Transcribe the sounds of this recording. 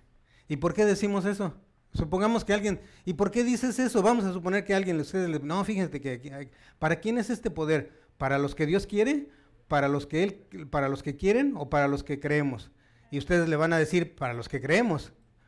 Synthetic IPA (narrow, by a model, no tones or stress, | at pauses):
ipo̞ɾke̞ðe̞simo̞s̬e̞so̞ | supoŋɡamo̞skealɣje̞nipo̞ɾke̞ðiseese̞soβamo̞s̬asup̬o̞ne̞ɾkealɣje̞nust̪e̞ðezlenofixense̞keaka | paɾakje̞ne̞se̞st̪e̞po̞ðe̞ɾ | paɾalo̞skeðjo̞skjeɾe̞ | paɾalo̞skeelpaɾalo̞ske̞kje̞ɾeno̞paɾalo̞ske̞kɾeemo̞s | iust̪e̞ðe̞zle̞βanað̞e̞siɾpaɾalo̞skekɾeemo̞s